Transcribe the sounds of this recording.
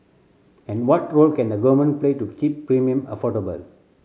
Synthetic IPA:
ɛ̃nwɔtɹoːlkɛ̃nd̪əɡɔmə̃n̚pleːtukipːɾĩmiə̃mə̰fɔʈəbə̰l

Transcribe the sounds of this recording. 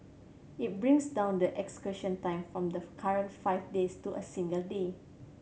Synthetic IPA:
it̚bɹĩŋsdãʊ̃ndəʔɛkskəʃə̃ntãɪ̃mfɹɔ̃mdəkʰaɹə̃ntfaɪfdestuʔəsĩŋɡəlde

